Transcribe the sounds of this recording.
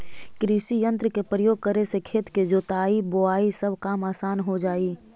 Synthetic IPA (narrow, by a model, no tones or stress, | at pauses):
kɾisijə̃nt̪ɾəkepɾəjoːɡ̚kəɾesekʰeːt̪ked͡ʒoːt̪aːiboaːisəbʱkaːmaːsaːnɦod͡ʒaːiː